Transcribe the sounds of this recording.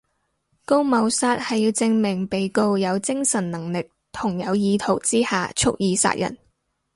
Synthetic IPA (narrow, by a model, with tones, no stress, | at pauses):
ko˥wmɐ˨˧wsaː˥t̚hɐ˨jiː˧wt͡sɪ˧ŋmɪ˨˩ŋpe˨jko˧wjɐ˨˧wt͡sɪ˥ŋsɐ˨˩nnɐ˨˩ŋlɪ˨k̚ | t̪ʰʊ˨˩ŋjɐ˨˧wjiː˨˧t̪ʰo˨˩wt͡siː˥ha̰ː˨t͡ʃʰʊ˥k̚jiː˨˧sa̰ː˥t̚jɐ̰˨˩n